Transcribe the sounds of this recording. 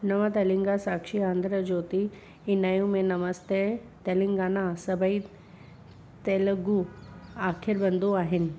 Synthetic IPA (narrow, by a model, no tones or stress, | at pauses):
nɐʋãt̪ɐlɪ̃ŋɡasaːkʃiãːnd̪ɾəd͡ʑoːt̪i | ɪnaːjũmẽnɐməst̪e | t̪ɐlɪ̃ŋɡaːnasɐbʱəi | t̪eːləɡuaːkʰɪɾbɐ̃nd̪oaːɦɪnɪ̆